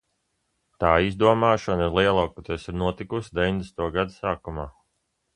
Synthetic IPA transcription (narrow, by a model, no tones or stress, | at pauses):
t̪aːizd̪uɔmaːʃɔniɾlˠiɛlˠaːkut̪ɛsiɾnuɔt̪ikusd̪evʲiɲnʲd̪esnt̪uɔɡad̪usaːkumaː